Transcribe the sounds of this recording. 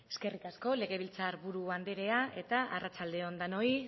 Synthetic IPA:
e̞ske̞rikasko̞le̞ɣe̞β̞ilt͡saɾβuɾuβand̪e̞ɾe̞ae̞t̪aʔarat͡ʃald̪e̞o̞nd̪ano̞i

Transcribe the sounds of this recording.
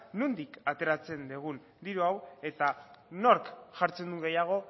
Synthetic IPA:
nund̪ikat̪e̞ɾat͡se̞nd̪eɣ̞un | d̪iɾuawe̞t̪ano̞ɾkʝaɾt͡se̞nd̪uŋɡe̞jaɣ̞o̞

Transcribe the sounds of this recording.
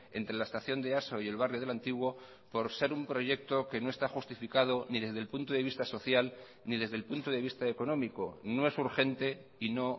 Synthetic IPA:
e̞̰nt̪ɾe̞laest̪aθjo̞nd̪e̞aso̞ie̞lβarjoð̞elant̪iɣwo̞ | po̞ɾse̞ɾumpɾo̞ʝe̞k̚t̪o̞ke̞no̞e̞st̪axust̪ifikaðo̞niðe̞zðelpunt̪oðeβist̪aso̞θjal | niðe̞zðe̞lpunt̪oðe̞βist̪aeko̞nõ̞miko̞no̞e̞suɾxe̞nt̪e̞ | ino̞

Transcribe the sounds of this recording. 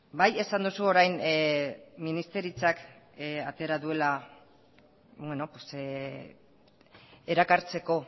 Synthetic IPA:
baje̞sand̪usuo̞ɾajn | minist̪e̞ɾit͡sak | at̪e̞ɾaðue̞la | bwe̞no̞pwos | e̞ɾakaɾt͡se̞ko̞

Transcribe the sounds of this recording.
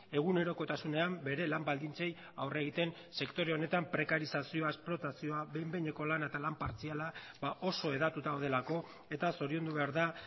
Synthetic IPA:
e̞ɣ̞une̞ɾo̞ko̞t̪asune̞ambe̞ɾe̞lambald̪int͡se̞j | awre̞ɣit̪e̞n | se̞kt̪o̞ɾe̞o̞ne̞t̪ampɾe̞kaɾisasio̞aesplo̞t̪asio̞aβejmbeɲe̞ko̞lanet̪alampaɾt͡siala | baʔo̞so̞e̞ðat̪ut̪aoð̞e̞lako̞ | e̞t̪aso̞ɾio̞nd̪uβe̞aɾða

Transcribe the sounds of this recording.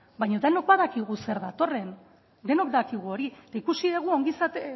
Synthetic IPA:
bajɲod̪eno̞kbaðakiɣ̞useɾðat̪o̞re̞n | d̪e̞no̞kd̪akiɣuo̞ɾiet̪aikusiðeɣ̞uo̞ŋɡisat̪e

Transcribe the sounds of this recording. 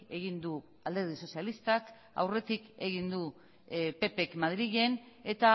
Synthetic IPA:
e̞ɣ̞ind̪u | ald̪eɾð̞iso̞sialist̪ak | a̰wre̞t̪ike̞ɣ̞ind̪u | pe̞pe̞kmaðɾiɣe̞n | e̞t̪a

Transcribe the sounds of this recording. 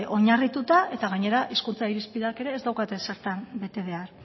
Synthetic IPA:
o̞ɲarit̪ut̪aʔe̞t̪aɣ̞aɲe̞ɾaʔiskunt͡saiɾispiðake̞ɾe̞ːzd̪awkat̪e̞se̞ɾt̪ambe̞t̪e̞β̞e̞aɾ

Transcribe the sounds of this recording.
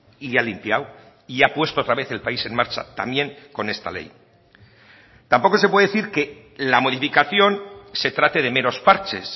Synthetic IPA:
ialimpjaw | iapwe̞st̪oot̪ɾaβe̞θe̞lpaise̞nmaɾt͡ʃa̰t̪a̰mje̞ŋko̞ne̞st̪a̰le̞̰j | t̪ampo̞ko̞s̬epweeθiɾke̞ | lamo̞ðifikaθjo̞nse̞t̪ɾat̪e̞ðe̞me̞no̞spaɾt͡ʃe̞̰s

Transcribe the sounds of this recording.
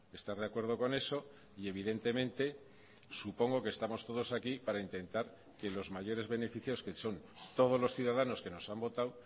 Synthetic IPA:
est̪aɾð̞akwe̞ɾð̞o̞ko̞ne̞so̞ | ie̞β̞iðe̞nt̪e̞mẽ̞nt̪e̞ | supo̞ŋɡo̞ke̞st̪amo̞st̪o̞ðo̞sakipaɾaint̪e̞nt̪aɾ | ke̞lo̞zmaʝo̞ɾe̞zβe̞ne̞fiθjo̞skeso̞nt̪o̞ð̞o̞zlo̞sθjuðaðano̞ske̞no̞sambo̞t̪aw

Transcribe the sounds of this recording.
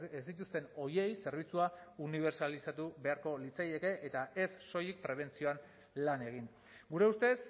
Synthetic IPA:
esd̪it̪ust̪e̞no̞je̞jse̞ɾβ̞it͡suauniβ̞e̞ɾsalisat̪uβe̞aɾko̞lit͡saje̞ke̞ʔet̪ae̞sːo̞jik̚pɾe̞β̞e̞nt͡sio̞an | lane̞ɣ̞iŋ | ɡuɾe̞ust̪e̞s

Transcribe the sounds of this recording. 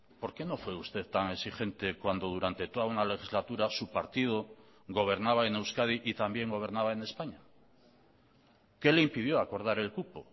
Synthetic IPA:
po̞ɾke̞no̞fwe̞ust̪e̞ðt̪aŋe̞sixe̞nt̪e̞kwand̪o̞ð̞uɾant̪e̞t̪o̞ðaunale̞xizlat̪uɾasupaɾt̪ið̞o | ɣo̞β̞e̞ɾnaβ̞aene̞wskað̞iʔit̪ambje̞ŋɡo̞βe̞ɾnaβae̞ne̞spaɲa | ke̞leimpið̞jo̞ako̞ɾð̞aɾe̞lkupo

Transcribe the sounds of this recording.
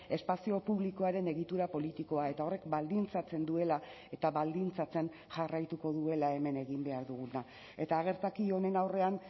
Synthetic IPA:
e̞spasio̞puβliko̞aɾe̞ne̞ɣit̪uɾapo̞lit̪iko̞ae̞t̪ao̞re̞kbald̪int͡sat͡se̞nd̪ue̞la | e̞t̪aβald̪int͡sat͡se̞n | ʝarajt̪uko̞ðue̞lae̞me̞ne̞ɣ̞imbe̞aɾðuɣuna | e̞t̪aːɣ̞e̞ɾt̪akio̞ne̞nawre̞an

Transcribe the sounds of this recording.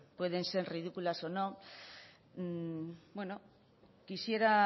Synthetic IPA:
pwe̞ð̞e̞nse̞ɾriðikulaso̞no̞ | bwe̞no̞ | kisjeɾa

